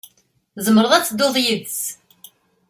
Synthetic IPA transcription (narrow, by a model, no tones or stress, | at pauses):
zəmːəɾəðˤæt͡sːd̪ʊðˤjəðt͡s